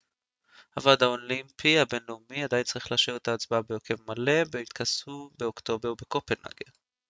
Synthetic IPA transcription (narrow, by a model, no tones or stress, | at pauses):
havad̪haolimpʰiabe̞nleumiad̪ajint͡saʁiχlaːʃivet̪aːt͡sbaabejokʰevmale̞beit̪kʰasubeokt̪o̞beʁbe̞ko̞penha̰ɡḛ